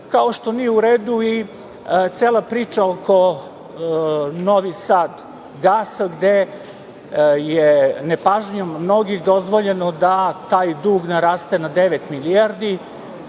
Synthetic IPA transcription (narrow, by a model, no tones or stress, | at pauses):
kao̞ʃt̪o̞nijeuɾeːd̪ui | t̪seːlˠapɾiːt͡ʃaokʰo̞ | noʋisaːd̪ | ɡaːsaɡd̪e | jenepaʒɲomːno̞ɡixd̪o̞zʋoʎenod̪at̪aːjd̪uːɡnaɾaːst̪enad̪eʋet̪miliaɾd̪i